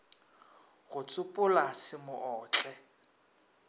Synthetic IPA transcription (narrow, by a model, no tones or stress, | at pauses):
ɣʊt͡sʼʊpʼʊlasɪmʊʔɔːt͡ɬʼɛ